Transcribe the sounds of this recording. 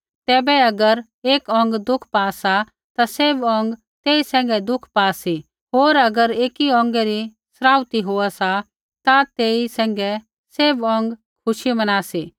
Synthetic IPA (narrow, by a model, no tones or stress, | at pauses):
t̪ɛːbɛɐɡəɾ | eːkɔ̃ŋ̆ɡd̪ʊkʰpaːsa | t̪aseːbɔ̃ːŋɡ | t̪eːisɛ̃ːŋ̆ɡɛd̪ʊkʰpaːsi | ɦoːɾɐɡəɾeːkiɔ̃ːŋɡɛɾi | sɾaːʋt̪iɦoːasa | t̪at̪eːisɛ̃ːŋ̆ɡɛ | seːbɔ̃ːŋɡ | kʰʊʃimɐnaːsi